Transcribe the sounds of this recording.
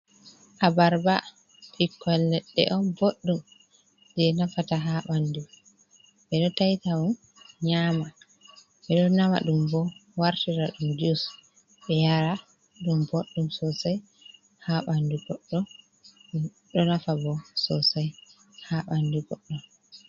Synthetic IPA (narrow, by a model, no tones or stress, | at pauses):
ʔabaɾba | pʰikːɔlnɛɗːɛ̰ʔɔnboɗːum | d͡ʒɛnafataɦaɓandu | bɛɗɔtajtawun | ɲaːma | ɓɛɗɔnama̰ɗumbɔwaɾtiɾaɗumdus | ɓɛjaɾa | ɗumboɗːumsɔsaj | haɓanduɡɔɗːɔ | ɗu | ɗɔnafabɔsɔsaj | haɓanduɡɔɗːɔ